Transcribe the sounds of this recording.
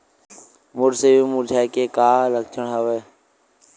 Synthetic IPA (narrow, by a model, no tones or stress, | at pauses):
mʊɾseːjũːmʊːɾd͡ʒʱaːjkeːkaːləɡ̚t͡ʃəɳɦəʋeː